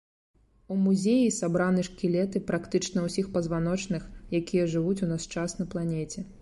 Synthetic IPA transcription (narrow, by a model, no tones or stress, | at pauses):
umuzʲejisabɾanɨʂkʲilʲɛt̪ɨpɾakt̪ɨt͡ʂnɐwsʲixpɐzvanɔt͡ʂnɨxjakʲijɐʐɨvut͡sʲunast͡ʂasnɐplˠanʲɛt͡sʲɛ